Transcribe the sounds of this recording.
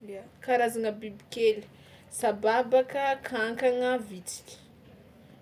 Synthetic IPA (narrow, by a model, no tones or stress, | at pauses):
kaɾazanəbibikel̥ | sababakəkʰaŋkaŋəvit͡si̥kʲi̥